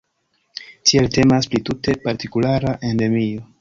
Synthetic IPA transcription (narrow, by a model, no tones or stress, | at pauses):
tielte̞masplitute̞paɾtikulaɾaʔe̞nde̞mio̞